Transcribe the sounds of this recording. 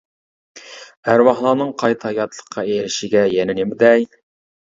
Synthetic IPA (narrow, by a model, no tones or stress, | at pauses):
hæɾwɑχlˠɑnɤɴqʰɑjt̪ʰɑjɑt̪lˠə̥̆qːɑejɾɪʃɪɡʲæjænænemd̪æj̪